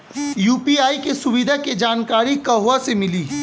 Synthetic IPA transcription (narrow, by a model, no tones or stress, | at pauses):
juːpiaːikesʊʋɪd̪ʱaked͡ʒaːnkaːɾikɐɦoasemɪliː